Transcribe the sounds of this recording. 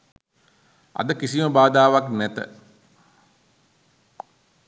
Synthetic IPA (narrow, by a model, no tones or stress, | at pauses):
ʔa̰d̪əkisiməbaːd̪aːʋaknɛt̪ə̰